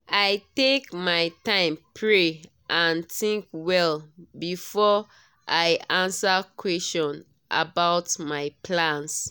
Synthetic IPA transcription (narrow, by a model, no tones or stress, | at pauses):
ajtekmaɪtãɪ̃mpʰɹe | ʔãntĩŋkwɛlbifɔ | ʔaɪãnsakʰwɛstɔ̃n | ʔa̰baʊtmaɪpʰlãns